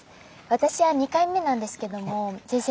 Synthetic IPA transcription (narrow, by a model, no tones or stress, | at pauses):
βat̪aɕiβaɲ̟ikaimːe̞nãnd̪e̞sɨ̥ke̞d̪o̞mo̞d͡ʑĩs